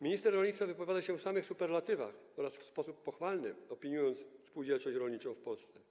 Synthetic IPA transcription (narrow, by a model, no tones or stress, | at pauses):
mʲiɲist̪ɛɾːɔlɲʲit̪favɘpɔvʲjad̪aɕɛfsamɘxsupɛɾlat̪ɘva̰xɔɾasfspɔsupːɔxfalnɘɔpʲiɲujɔnt̪sfspuwd͡ʑɛlt͡ʂɔɕt͡ɕɾɔlɲit͡ʂɔ̃w̃fpɔlst̪sɛ